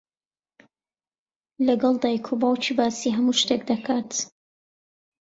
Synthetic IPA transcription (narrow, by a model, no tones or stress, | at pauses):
lɐɡɑlˠd̪aːjkʰobaːwt͡ʃʰiːbaːsiːɦɐmuʃt̪ek̚d̪ɐkʰaːt̪